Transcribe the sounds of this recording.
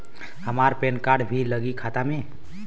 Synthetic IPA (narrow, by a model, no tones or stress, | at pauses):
ɦəmaɾpenkaɾɖbʱiləɡikʰat̪ame